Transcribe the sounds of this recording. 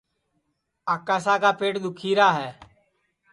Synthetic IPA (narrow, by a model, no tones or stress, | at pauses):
aːkaːsaːkaːpeːʈd̪ʊkʰiːɾaːɦɛː